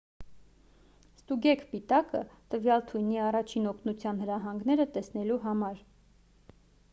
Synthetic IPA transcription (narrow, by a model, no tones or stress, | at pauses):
st̪uɡɛkʰpit̪ɑkə̰t̪əvjɑlt̪ʰujniɑrɑt͡ʃʰinɔkʰnut͡sʰjɑnhəɾɑɦɑŋɡn̪ɛɾət̪ɛsn̪ɛluɦɑmɑɾ